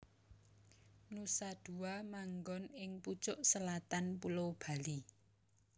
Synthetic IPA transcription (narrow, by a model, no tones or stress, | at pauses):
nusad̪̥ṳwamaŋɡɔnɪŋput͡ʃʊʔsəlat̪anpulob̥a̤li